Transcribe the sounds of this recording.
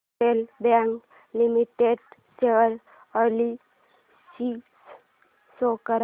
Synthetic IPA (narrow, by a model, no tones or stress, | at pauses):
elbaŋk | limiʈeɖseʋəɾ | əli | sis | sokəɾ